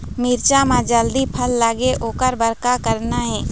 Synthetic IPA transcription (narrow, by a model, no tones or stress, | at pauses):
mɪɾt͡ʃamãd͡ʒəld̪ipʰəlːaːɡeʔoːkəɾbəɾkakəɾnaɦɛ̃ː